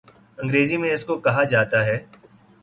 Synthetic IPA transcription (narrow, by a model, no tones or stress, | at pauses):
ɐ̃ŋɡɾeːzimẽɪskokɐɦad͡ʒaːt̪aɦɛː